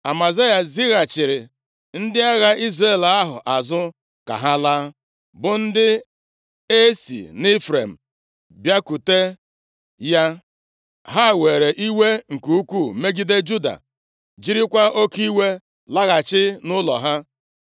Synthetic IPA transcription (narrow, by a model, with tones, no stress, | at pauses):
a˨ma˨za˦ja˨zi˦ɣa˨t͡ʃɪ˨ɾɪ˨ | n̩˦dɪ˦a˦ɣa˦ʔi˦zɾe˦˨la˦ɦʊ̰˨ʔa˨zʊ˦ | ka̰˨ɦa˦la˦ | bʊ˨n̩˦dɪ˦ | e˦sḭ˨nɪ˦fɾḛ˨m̩˨ | bja˦ku˨te˦ | ja˦ | ɦa˦˨we˨ɾe˨ʔi˦we˦ŋ̩˨ku˨u˦kʷu˦˨˦me˦ɡi˦de˦d͡ʒu˦da̰˨ | d͡ʒi˦ɾi˦kʷa˦o˦ki˦we˦ | la˦ɣa˨t͡ʃɪ˦nʊ˦lɔ˨ɦa˦